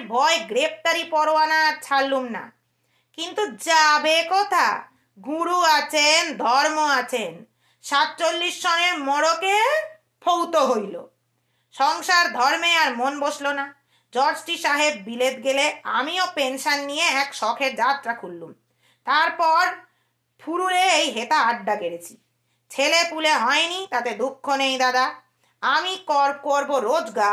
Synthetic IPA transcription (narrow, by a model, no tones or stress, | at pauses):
bʱɔeɡɾep̚t̪aɾipɔɾoanaɾt͡ɕʰalumna̰ | kint̪ud͡ʑabekɔt̪ʰa̰ | ɡuɾuat͡ɕʰend̪ʱɔɾmoat͡ɕʰen | ʃat̪̚t͡ɕolːiʃːɔneɾmɔɾoke | pʰowt̪oɦojlo̰ | ʃɔŋʃaɾd̪ʱɔɾmeaɾmonboʃlona | d͡ʑɔɾd͡ʑʈiʃaɦebbilet̪ɡeleamiopenʃanːijeɛkʃɔkʰeɾd͡ʑat̪ːɾakʰulːum | t̪aɾpɔɾ | pʰuɾuɾeejɦet̪aaɖːaɡeɾet͡ɕʰi̥ | t͡ɕʰelepuleɦɔenit̪at̪ed̪ukʰːonejd̪ad̪a | amikɔɾkoɾboɾod͡ʑɡa